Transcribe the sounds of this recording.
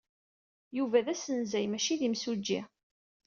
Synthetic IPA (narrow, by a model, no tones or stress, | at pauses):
juvæðæsənzæjmæʃiðimsud͡ʒːḭ